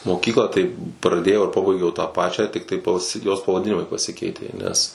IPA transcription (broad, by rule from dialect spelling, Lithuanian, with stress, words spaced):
moːˈkʲiːklˠɑː tɐɪ prɐˈdʲeːjɛʊ ɪr ˈpɑːbɐɪɡʲɛʊ tɑː ˈpɑːt͡ʃʲæː ˈtʲɪktɐɪ pɐˈsʲɪ joːs pɐʋɐˈdʲɪnʲɪmɐɪ pɐˈsʲɪkʲɛɪtʲeː nʲɛs